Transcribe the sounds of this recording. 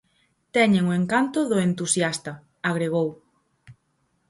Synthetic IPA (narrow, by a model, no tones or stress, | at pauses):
t̪ɛɲeŋʊeŋkant̪ʊðʊent̪usjast̪ɐ | aɣɾeɣ̞ow